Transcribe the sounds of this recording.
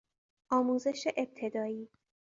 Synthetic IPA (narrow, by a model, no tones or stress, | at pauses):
ʔɒːmuːze̞ʃeʔeb̚t̪ʰe̞d̪ɒːiː